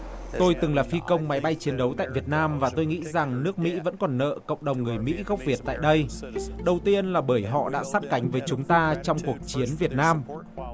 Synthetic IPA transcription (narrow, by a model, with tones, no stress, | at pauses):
t̪o˧jt̪ɨ˨˩ŋlaː˨˩fi˧kə˧wŋ͡mma˨˦jɓa˧jt͡ɕi˨˦ənɗə˨˦wt̪a̰ː˧˨jvi˨˩ət̚naː˧mvaː˨˩t̪o˧jŋḭ˧˥za˨˩ŋnɨ˦˥ək̚mḭ˧˥və̰˧˥nkɔ˨˩nːə̰ː˧˨kə̰˧˨wŋ͡mɗə˨˩wŋ͡mŋɨ˨˩əjmḭ˧˥ɣa˦˥k͡p̚vi˨˩ət̚t̪a̰ː˧˨jɗə˧jɗə˨˩wt̪i˧ənlaː˨˩ɓəː˧˩jɦɔ̰˧˨ɗa̰ː˧˥saː˦˥t̚ka˨˦jŋ̟vəː˨˦jt͡ɕʊ˨˦ŋ͡mt̪aː˧t͡ɕɔ˧wŋ͡mku˨˩ək̚t͡ɕi˨˦ənvi˨˩ət̚naː˧m